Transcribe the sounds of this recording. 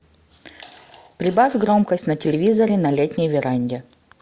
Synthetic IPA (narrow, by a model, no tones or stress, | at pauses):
pɾʲɪbafʲɡɾo̞mkəsʲtʲnɐtʲɪlʲɪvʲizəɾʲɪnɐlʲetʲnʲɪjvʲɪɾanʲdʲɪ